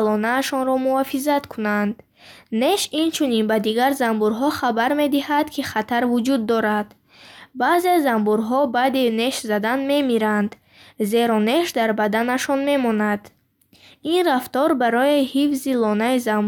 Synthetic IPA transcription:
lɔnaːʃɔnɾɔmuafizat̪kʰunand̪ | neʃint͡ʃʰuninbad̪iɡaɾzambuɾɦɔχabaɾme̞d̪ihad̪kʰiχat̪ʰaɾvud͡ʒud̪ːɔɾad̪ | baze̞zambuɾɦɔbad̪ine̞ʃzad̪anme̞miɾand̪ | ze̞ɾɔne̞ʃd̪aɾbad̪anaʃɔnme̞mɔnad̪ | inraft̪ɔɾbaɾɔehifzilɔnaizam

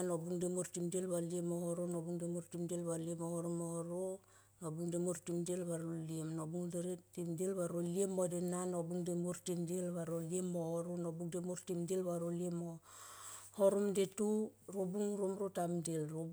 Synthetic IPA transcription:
nobuŋdemuɾtimdielβaliemohoɾonobuŋdemuɾtimdelβaliemohoɾomooɾo | nobuŋdemuɾtimdelβaɾoliemnobuŋdeɾetimdelβaɾoliemodenanobuŋdemuɾtimdelβaɾoliemohoɾonobuŋdemuɾtimdilβaɾoliemo | hoɾomdetuɾobuŋɾomɾotamdilɾo

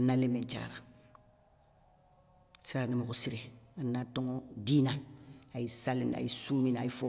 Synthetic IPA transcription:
anːalemeɲt͡ʃa̰ːɾa | siɾanimukusiɾeanːatoŋodiːnaajisalina̰jisuːminajifo

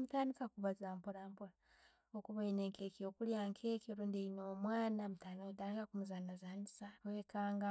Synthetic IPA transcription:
mutaːndikakuβazaːmpoɾampoɾa | okuβaineːŋkeːkiokuljaːŋkʰekoɾuːndeinomwaːnamutaːnioutaːndikakumuzanazaːnisawekaːŋɡa

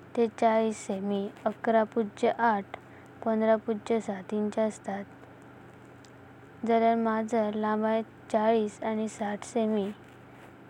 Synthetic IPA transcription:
t̪et͡saɭiːsːemiəkɾapud͡ʑəʔaʈʰ | pənd̪ɾapud͡ʑəsat̪ĩɲt͡ɕaəst̪at̪ | d͡zəɾaɾmad͡zʱəlãbãj | t͡ɕaɭiːsanisaʈʰsemi

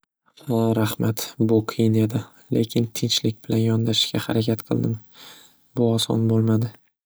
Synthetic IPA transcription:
aɾahmat̪bʊqʰijɪne̞d̪ɪ | lʔe̞kʲʰɪnt̪ʰɪnt͡ʃlɪkʲbɪlanjɒnd̪aʃɪ̥ʃkʲahaɾakʲʰat̪qʰɨ̰lˠd̪ɪm | bʊɒsɒ̰nbolˠmad̪ɪ

